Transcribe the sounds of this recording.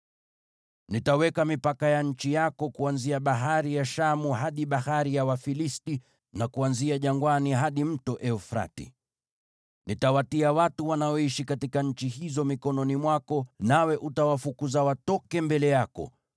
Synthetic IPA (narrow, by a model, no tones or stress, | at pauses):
nitawɛkamipakajaɲ̩t͡ʃijakɔkuanziaɓaɦaɾijaʃamuɦaɗiɓahaɾijawafilisti | nakuanziaʄaŋɡwaniɦaɗim̩tɔʔɛɔfɾa̰tḭ | nitawatiawatuwanaɔiʃikatikaɲ̩t͡ʃiɦizɔmikɔnɔnimwakɔnawɛʔutawafukuzawatɔkɛmbɛlɛjakɔ̰